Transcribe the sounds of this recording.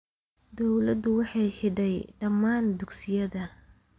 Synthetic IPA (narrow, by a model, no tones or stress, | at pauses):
d̪ɔwlɐd̪ʊwɑħɑjħɪɖɛjɖɐmaːnd̪ʊɡsɪjɐðɐ